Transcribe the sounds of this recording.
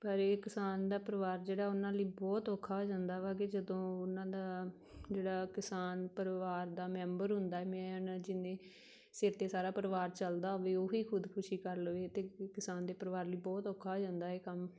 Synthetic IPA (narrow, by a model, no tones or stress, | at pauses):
pəɾeːkɪsaːnd̪aːpəɾəʋaːɾd͡ʒeːɽaːʊnãːləiːbɔːt̪oːkʰːaːɦoːd͡ʒãːnd̪aːʋaːɡeːd͡ʒəd̪õːʊnãːd̪aː | d͡ʒeːɽaːkɪsaːnpəɾʋaːɾd̪aːmɛ̃ːmbəɾɦʊ̃nd̪aːɛːmɛ̃ːnd͡ʒɪnẽː | sɪɾt̪eːsaːɾaːpəɾʋaːɾt͡ʃəld̪aːɦoʋeːoːɦiːkʰʊd̪kʰʊʃiːkəɾləʋeːt̪eːkɪsaːnd̪eːpəɾʋaːɾləiːbɔːt̪ɔːkʰaːɦoːd͡ʒãːnd̪aːeːkəm